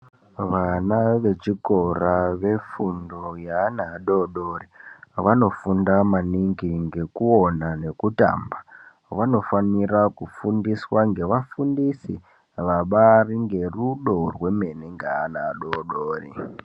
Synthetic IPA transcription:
ʋanaʋe̞t͡ʃiko̞raʋe̞fundojaːnaːɗoɗoːriʋano̞fundamaniŋɡiŋɡe̞kuo̞nane̞kuta̰ːmba | ʋano̞fanirakufundiswaŋɡe̞ʋafundisi | ʋaɓariŋɡe̞ruɗo̞rwe̞me̞neŋɡaːnaːɗoɗoːrḭ

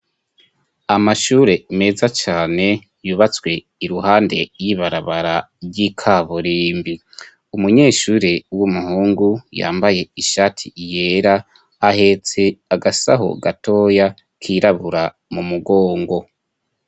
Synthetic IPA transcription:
amaʃuːɾe̞me̞zat͡ʃaːne̞ | juːβat͡swe̞ | iɾuhaːnde̞jiβaɾaβaɾa | ɟikʰaβoɾiːmbi | umuɲe̞ːʃuːɾewumuhuːŋɡuja̰ːmbaje̞iʃaːtʰije̞ːɾaː | he̞t͡se̞aɡasa̰ɦo̰ɡatʰo̞ːja | kʰiɾaβuɾa | mumuɡo̞ːŋɡo̞

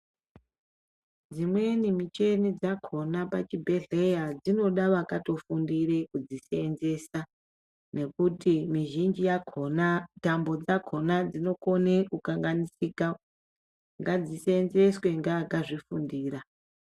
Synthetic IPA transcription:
d͡zimwe̞nimit͡ʃe̞nid͡zakʰo̞napat͡ʃibʱe̞ɮe̞jad͡zino̞ɗaʋakato̞fundirekud͡ziseːnze̞sa | ne̞kutimiʒind͡ʒijakʰonatambo̞d͡zakʰo̞nad͡zino̞ko̞ne̞kukaŋɡanisiːka | ŋɡad͡ziseːnze̞swe̞ŋɡaːɡaʐifundiːɾa

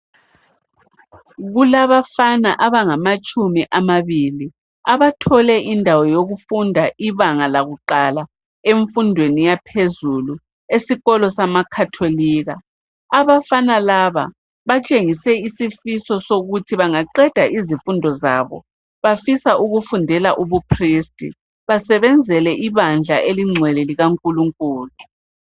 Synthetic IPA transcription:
ɣulaβafanaʔaβaŋamat͡ʃʼumiʔamaβili | aβatʰɔlɛʔindʱawɔjoɣufundʱaʔiβaŋalaɣuǃala | eɱfundʱwenijapʰezulu | esiɣɔlɔsamakʰatʰoliːɣa | aβafanalaβa̰ | βat͡ʃʼeŋisɛisifisɔsoɣutʰiβaŋaǃɛd̥ʱaʔizifundʱɔzaβɔ̰ | βafisaʔuɣufundʱɛlaʔuβupʰristʼḭ | βasɛβɛnd͡zʱɛlɛʔiβand͡ɮʱaʔeliŋ͡ǀʱwɛlɛliɣaŋkʼuluŋkʼuːlu

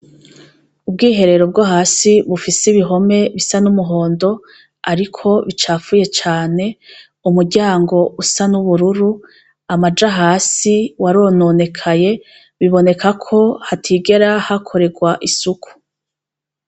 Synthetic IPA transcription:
ub̚ɡiːɦe̞ɾe̞ɾo̞b̚ɡoɦaːsiβufisiβiɦo̞me̞βisanumuɦo̞ːndo̞ | aɾikʰo̞βit͡ʃaːfuje̞t͡ʃaːne̞ | umuɾɟaːŋɡo̞usanuβuɾuɾu | amad͡ʒaɦaːsiwaɾonone̞kʰaje̞ | βiβo̞ne̞kʰakʰo̞hatʰiɡe̞ɾahakʰo̞ɾe̞ɡwaʔisukʰu̥

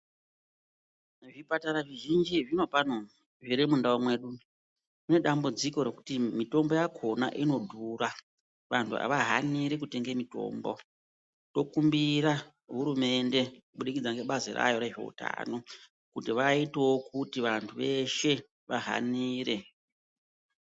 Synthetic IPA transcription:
ʐipataɾaʐiʒind͡ʒiʐino̞pano | ʐiɾimundaomwe̞ɗu | kune̞ɗambud͡ziko̞ɾe̞ku̥timito̞mbo̞jakʰo̞na̰ʔino̞dʱura | ʋantʰua̰ʋaɦaniɾekute̞ŋɡemito̞̰ːmbo̞ | to̞kumbiɾa | ɦuɾume̞nde̞kuɓuɗikid͡zaŋɡe̞ɓazira̰jo̞ɾe̞ʐe̞̰ṵta̰no̞ | kutiʋaitewokʰutiʋantʰuʋe̞ʃe̞ | ʋaɦa̰niːre̞

